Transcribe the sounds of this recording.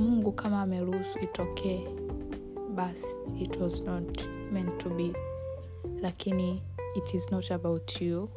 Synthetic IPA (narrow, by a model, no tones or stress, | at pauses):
muŋɡukʰamaːmɛɾusuitʰɔkʰɛɛ | bas | itʰwɔznɔt | mɛ̃ntʰubi | lakiniː | tʰiznɔtabawtʰju